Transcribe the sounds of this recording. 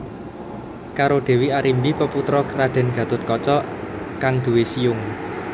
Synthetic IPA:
kaɾod̪̥e̤wiaɾimbipəput̪ɾɔkɾaɖ̪̥ɛ̤nɡ̥ä̤t̪ʊt̪̚kɔt͡ʃɔkaŋd̪̥ṳwesijʊŋ

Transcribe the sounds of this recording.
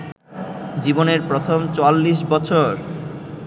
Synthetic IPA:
d͡ʑiboneɾpɾot̪ʰomt͡ɕoalːiʃbɔt͡ɕʰoɾ

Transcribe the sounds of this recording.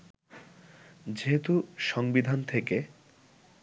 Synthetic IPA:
d͡ʑeɦet̪uʃɔŋbid̪ʱant̪ʰeke

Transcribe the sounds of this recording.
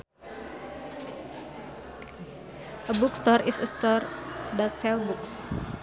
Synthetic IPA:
ʔəbukst̪ɔrisəst̪ɔrdat̪̚sɛlbuks

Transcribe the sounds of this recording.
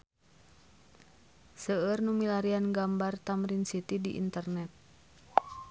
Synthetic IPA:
səərnumilaɾianɡambart̪amɾinsit̪idiʔḭnt̪ərnɛt̪̚

